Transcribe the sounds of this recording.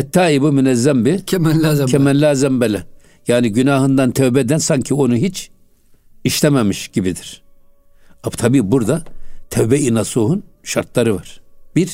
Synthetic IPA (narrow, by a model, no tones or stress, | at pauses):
ɛt̪ʰːaːibumynɛzːɛmbicʰɛmɛnlaːzcʰɛmɛnlʲaːzɛmbɛlʲɛ | jaːniɟynaːɦɯnd̪ant̪ʰɛwbɛd̪ænsaɲcʰio̞nuɦit͡ʃ | iʃlɛmɛmiʃɟibid̪iɾ̥ | at̪ʰabiːbuɾd̪at̪ʰɛwbɛinasuːɦunʃaɾt̪lˠaɾɯvaɾ̥biɾ